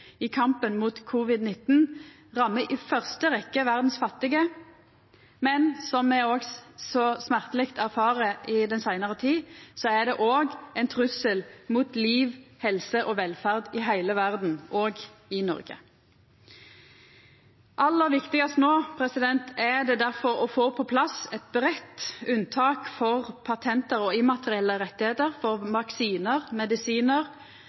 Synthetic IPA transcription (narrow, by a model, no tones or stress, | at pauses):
ɪkʰɑmpənmuːt̪kʰʊʋɪd̪nɪt̪n̩ | ʁɑmːəʔɪfœʁst̪əʁɛkːəʋæʁd̪n̩sfɑt̪ːɪɡə | mɛnsɔmːɛoːɡsɔsmæʁt̪əlɪkt̪ʰæʁfɑːʁəɪd̪ɛnsæɪnəʁət̪ʰiːsɔæʁd̪ɛʔoːɡɛɪnt̪ʰʁʉsəlmuːt̪liːʋhɛlsəʔɔʋɛlfæʁd̪ɪɦæɪləʋæʁd̪n̩ʔoːɡɪnɔ̰ʁɡə̰ | ʔɑlːəʁʋɪkt̪ɪɡɑst̪noːpʰʁɛsɪd̪ɛnt̪ʰæd̪ɛd̪æʁfɔʁɔfoːpʰɔpʰlɑsɛt̪̚bʁɛt̪ʉnt̪ʰɑːkfɔʁpʰɑt̪ʰɛnt̪əʁɔɪmɑt̪əʁɪɛlːəʁɛt̪ːɪheːt̪əʁfɔʁʋɑksiːnəʁmɛd̪ɪsiːnəʁ